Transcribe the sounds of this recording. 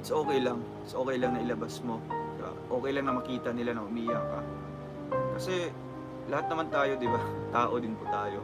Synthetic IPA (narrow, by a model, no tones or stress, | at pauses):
ʔɪt̪sʔo̞ːkɛjlɐŋ | ɪt̪sʔo̞ːkɛjlɐŋnɐʔɪlɐbasmo̞ | a̰ʔo̞ːkɛjlɐŋnɐmɐkiːt̪ɐnɪlanɐhʊmiːjakɐ̰ | kɐsɛ | lɐhat̪nɐmant̪aːjo̞d̪ɪbat̪aːʔo̞d̪ɪnpʊt̪aːjo̞